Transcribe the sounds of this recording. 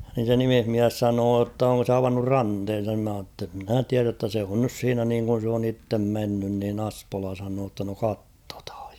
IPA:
nin̞ se nimihmiæs sɑnoː tː oŋko se ɑʋɑnːur rɑnthen̞sɑn ni mæ h̞ɑː tː mnæˑ tiæræ tːæ se on nys siːnæ niːŋkun̞ s oːn itːem menːyn niːn ɑ̥spolɑ sɑnoː tːɑ no kɑtːo̥thɑ̥j̊

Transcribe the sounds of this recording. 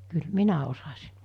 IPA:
kyl minæ osɑsi̥

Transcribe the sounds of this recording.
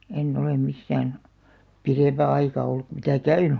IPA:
enː olem misːæːn pireˑmpæ ɑikɑ olːuk ku mitæ kæyn̥ẙ

